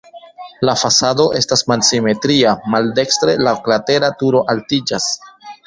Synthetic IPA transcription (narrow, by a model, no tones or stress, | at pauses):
lafasado̞ʔe̞stasmalsime̞tɾiamalde̞kstɾe̞laklate̞ɾatuɾo̞ʔaltid͡ʒas